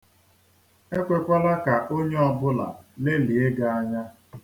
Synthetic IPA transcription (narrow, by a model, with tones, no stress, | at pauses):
e˦kʷe˨kʷa˦la˦ka˨ʔo˦ɲe˦ɔ˦bʊ˦la̰˨le˦li˨e˦ɡa˨a˦ɲa˦